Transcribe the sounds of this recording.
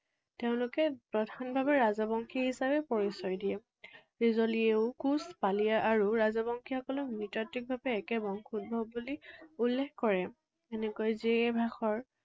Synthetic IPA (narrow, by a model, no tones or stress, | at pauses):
teʊ̃lʊkɛpɹɔdʱanbʱabɛɹazɔbɔŋkʰihisabɛpɔɹisɔjdiɛ | ɹizɔlieʊkuspalijaʔːɹuɹazɔbɔŋkʰixɔkɔlɔknitatːik̚bʱabɛːkɛbɔŋxut̚bʱɔbːuliulːexkɔɹɛ | ɛnɛkojɛzibʱaxɔɹ